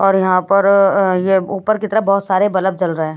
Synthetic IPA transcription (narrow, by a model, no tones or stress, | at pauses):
ɔːɾjɐɦãpɐɾjeuːpəɾkit̪əɾabɔːʊt̪saːɾebɐləb̚t͡ʃɐlɾəɦẽː